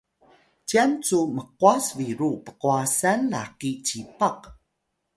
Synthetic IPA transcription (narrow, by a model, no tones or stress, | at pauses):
t͡ɕiant͡suməquasviɾupə̥quasanlaqit͡ɕipaq